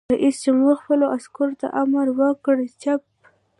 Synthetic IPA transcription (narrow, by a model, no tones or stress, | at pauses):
aʔist͡ʃemuxpəloʔaskoɾot̪a̰ʔamaɾwəkɽt͡ʃap̚